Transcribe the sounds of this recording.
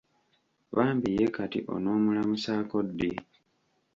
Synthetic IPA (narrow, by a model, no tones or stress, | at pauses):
βaːmbijekatḭʔo̞̰no̞ːmulamusaːko̞dːi